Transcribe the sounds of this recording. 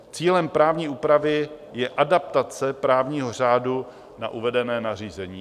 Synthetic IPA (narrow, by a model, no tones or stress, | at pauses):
t͡siːlɛmpɾaːvɲiːʔuːpɾavɪjɛʔadap̚t̪at͡sɛpɾaːvɲiːɦo̞r̝aːdu | naʔuvɛdɛnɛːnar̝iːzɛɲiː